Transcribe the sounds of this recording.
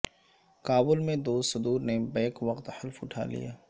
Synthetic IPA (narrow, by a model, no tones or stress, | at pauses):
kaːbʊlmẽd̪oːsʊd̪uːɾnebɛːkʋɐqt̪həlfʊʈʰa̰ːlḭja̰ː